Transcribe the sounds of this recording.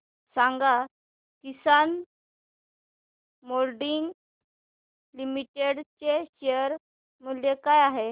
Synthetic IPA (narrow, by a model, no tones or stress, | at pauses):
sãŋɡa | kisan | molɖiŋɡ | limiʈeɽt͡ɕeɕeəɾ | mulekajaɦe